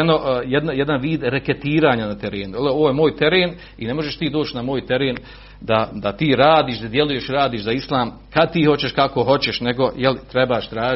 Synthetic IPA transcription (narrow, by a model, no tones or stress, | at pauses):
enojed̪najed̪anʋiːd̪ɾeket̪iːɾaːɲanat̪e̞ɾeːnujeloʋoːjemoːjt̪eɾeːn | ine̞mo̞ʒeʃt̪iːd̪o̞ːt͡ɕnamoːjt̪e̞ɾeːn | d̪ad̪at̪iːɾaːd̪iːʃd̪ad̪je̞luje̞ʃɾaːd̪iːʃzaislˠaːm | kad̪̚t̪iːho̞t͡ɕe̞ʃkako̞ɦo̞t͡ɕeʃne̞ɡo̞jelit̪ɾebaːʃt̪ɾaːʒ